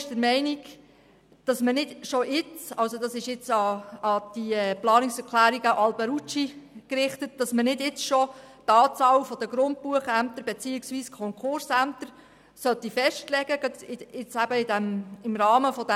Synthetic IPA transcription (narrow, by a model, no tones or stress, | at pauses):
ʃd̥əɾmɛɪniɡ | d̥ɑsmənɪdʃɔʔɪt͡sɑlsod̥ɑsɪʃɪt͡sɑːd̥iɛplɑːnɪksɛɾkʰlæːɾiɡəʔɑlbɛɾut͡ʃikɾɪχtət̚d̥ɑsmənɪdɪt͡sʃɔ | tɑːt͡sɑːlfɔd̥əɡɾʊnt̚puəχæmt̪əɾb̥ɛt͡siːɪksviːskʰɔŋkχʊɾsæmt̪əɾ | sœt̪ifɛʃtlɛɡəɡ̥ɑdɪɪt͡sæb̥əɪdæmɪmɾɑːməfɔd